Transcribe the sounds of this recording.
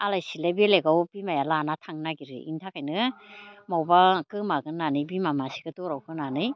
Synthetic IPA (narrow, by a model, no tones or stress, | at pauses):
alajsilabileɡawbimajalanatʰaŋnaɡiɾɯ̰ḭntʰakʰajnɯmawbakɯmaɡɯnanɯjbimamasi̥ɡɯtɔɾawkʰɯnanɯj